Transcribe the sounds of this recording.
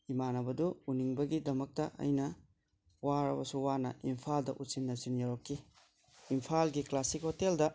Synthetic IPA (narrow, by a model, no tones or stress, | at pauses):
imanɐbɐduuniŋbɐɡidɐmɐk̚tɐʔɐ̰jnɐ | waɾɐbɐsuwanɐimpʰaldɐʔutsinːɐsinjaɾokːi | impʰalɡiklasikhoteldɐ